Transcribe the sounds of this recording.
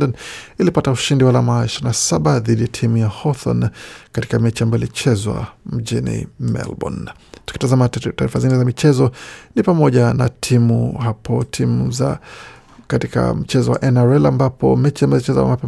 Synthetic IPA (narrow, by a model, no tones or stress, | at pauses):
dɔnilipatauʃindiwalamaiʃiɾinasaɓaðiɗijatʰimujahɔθɔ̰nkati̥kamɛt͡ʃiambaɔjɔlit͡ʃɛzwa̰m̩ʄinḭmɛ̰lbɔ̰n | tuki̥tazamataːɾifazinizamit͡ʃɛzɔnipamɔʄana̰tʰimuhapʰɔtʰimuza | katika̰m̩t͡ʃɛzɔwa̰ʔɛnaɾɛlambapɔ̰mɛt͡ʃiambajɔlit͡ʃɛza̰mapɛ